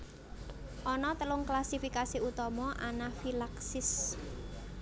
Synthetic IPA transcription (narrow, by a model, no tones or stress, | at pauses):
ʔɔnɔt̪əlʊŋklasifikasiut̪ɔmɔʔanafilaksɪs